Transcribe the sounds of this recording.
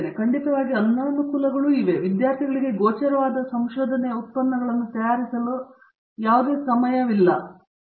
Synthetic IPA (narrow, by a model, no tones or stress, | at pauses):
ɾekʰɐɳɖit̪ɐʋaːɡiɐnːɐːmɐkulɐɡɐɭuiʋe̞ʋid̪jaːɾt̪ʰiɡɐɭiɡe̞ɡoːt͡ʃɐɾɐʋaːd̪ɐsɐmʃoːd̪ʱɐneut̪̚pɐnːɐɡɐɭɐnːut̪ɐjaːɾisɐlo | jaːʋud̪e̞ːsɐmɐjɐʋilːɐ̰